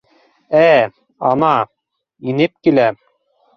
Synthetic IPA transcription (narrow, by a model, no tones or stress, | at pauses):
æ | ɑnɑ | inɘp̚kilæ